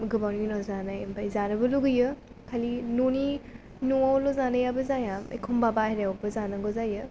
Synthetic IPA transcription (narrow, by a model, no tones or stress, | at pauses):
ɡɯbawniinɔzanajmbajzanɐbɯluɡɯjɯ | kʰalinoni | nuawlɔzanajabɐzajamḛkʰumbabaheɾewbɐzanɐɡɔzajɯ